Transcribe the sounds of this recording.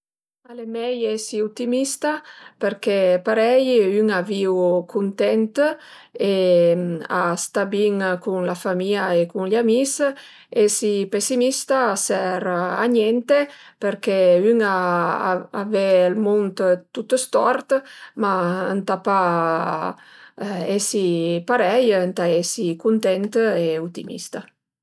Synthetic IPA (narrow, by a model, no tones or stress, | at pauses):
alemɛjɛsiut̪imist̪apeɾkɛpaɾɛjyŋaviwkʰunt̪ɛnt̪ | e | ast̪abiŋkunlafamiaekunlamis | esipesimist̪aːsɛɾa̰ɲɛnt̪epeɾkeyŋa | avɛlmunt̪t̪ut̪ːəst̪ɔɾt̪maənt̪apa | ɛsipaɾɛjənt̪aɛsikunt̪ɛnt̪eut̪ḭmḭst̪a